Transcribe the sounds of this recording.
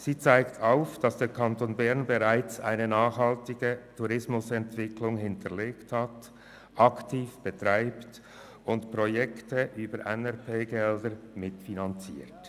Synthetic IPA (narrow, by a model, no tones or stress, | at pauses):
z̥iːt͡saɪktʰaʊfd̥ɑsd̥eːkʰɑntoːnbɛʁnbeʁaɪt͡sa̰ɪnənaːχhɑltɪɡətʰuʁɪsmʊsɛntv̥ɪkʰlʊŋɦɪntʰəleːkthat | ʔɑktʰiːfb̥ətʁ̥aɪpt | ʊntpʁojɛktəʔyːbəɾʔɛnɛʁpʰeːɡɛldəɾmɪtfinɑnt͡sḭːt